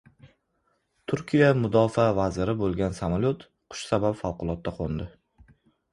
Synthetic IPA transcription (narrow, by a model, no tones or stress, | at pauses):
t̪ʰʊɾkʲijamʊd̪ɒfavazɪɾɪbolˠɡʲansamalʲot̪ | qʰʊ̥ʃsabapfɑlˠqʊlˠɒt̪̚ːaqʰond̪ɪ